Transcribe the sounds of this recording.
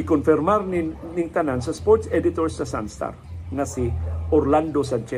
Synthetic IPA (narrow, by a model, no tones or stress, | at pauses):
ɪkonfɪɾmaɾnɪnɪŋt̪anansɐspɔɾt̪sɛd̪ɪt̪oɾsːɐsa̰nst̪a̰ɾŋasioɾland̪osant͡ʃɛ